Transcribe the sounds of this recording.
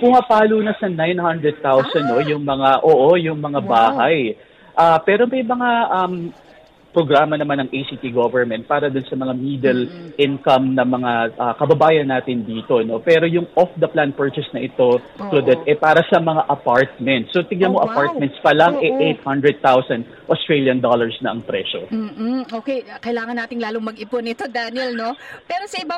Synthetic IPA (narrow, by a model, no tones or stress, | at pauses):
pʊŋɐpaːluːnɐsɐnajnhɐnd̪ɾɛd̪̚t̪awsɐnːo̞jʊŋmɐŋaʔoːʔojʊŋmɐŋabaːhaj | ʔaːpɛːɾo̞mɐjmɐŋaʔɐm | pɾoɡɾaːmɐnɐmanːɐŋʔejsiːt̪iɡovɛɹmɛnt̪̚paːɾɐd̪ʊnsɐmɐŋamiːd̪ɛlʔɪnkɐmnɐmɐŋaʔɐkɐbɐbaːjɐnːaːt̪ɪnd̪iːt̪o̞no̞pɛːɾo̞jʊŋʔofd̪ɐplanpɛɹt͡ʃɛsnɐʔɪt̪o̞ | plod̪ɛt̪ʔɛpaːɾɐsɐmɐŋaʔɐpaɹt̪̚mɛnt̪sːot̪ɪŋnɐnmoʔɐpaɹt̪̚mɛnt̪spɐlɐŋʔɛʔejt̪̚hɐnd̪ɾɛd̪̚t̪awsɐnd̪ | ʔost̪ɹeljɐnd̪olɐɹsnɐʔɐŋpɾɛʃo̞̰m̩ːoːkejkɐʔɪlaːŋɐnːaːt̪ɪŋlaːloŋmɐɡɪpʊnɪt̪od̪anɪɛlno̞pɛːɾosɐɪbɐ